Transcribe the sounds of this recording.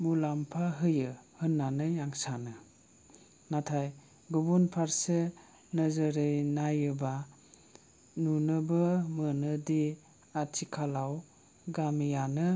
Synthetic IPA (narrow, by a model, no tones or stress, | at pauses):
mulampʰaɦɯjɯhɯnːanɯjaŋsanɯ | natʰaj | ɡubunpʰaɾse | nəzɯɾɯjnajɯba | nunɯbɯmɯnɯdi | atʰikʰalaw | ɡamijanɯ